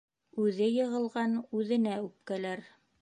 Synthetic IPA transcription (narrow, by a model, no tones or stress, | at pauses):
ʉðɘjɤ̆ʁɤ̆lˠʁɑnʉðɘ̆næʉp̚kælæɾ